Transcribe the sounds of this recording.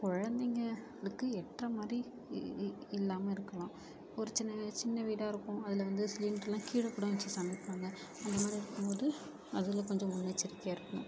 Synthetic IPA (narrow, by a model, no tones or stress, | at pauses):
kɔɻɐnd̪ɛŋɡɐ | lɯkːɯɛʈrɐmaːd̪ɾi | ɪlːaːmɐɪɾɯkːɐɭãː | ɔɾɯt͡ʃɪnːɐt͡ʃɪnːɐʋiːɽaːɪɾɯkːʊ̃ɐðɪlɐʋɐnd̪ɯsliːnɖɾɛlːãːkiːɽɐkːuːɽɐʋɛt͡ʃːɯsɐmɪkːaːŋɡɐ | ɐnd̪ɐmaːd̪ɾiɪɾɯkːɯmpoːðɯ | ɐðɯɣɐlkɔɲd͡ʒɐ̃mʊnːɐt͡ʃːɪɾɪkːɪjaːɪɾɯkːɐɳʊ̰̃